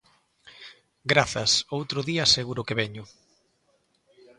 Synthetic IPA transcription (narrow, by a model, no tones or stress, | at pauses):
ɡɾaθɐsowt̪ɾʊðiaseɣuɾʊkeβɛɲʊ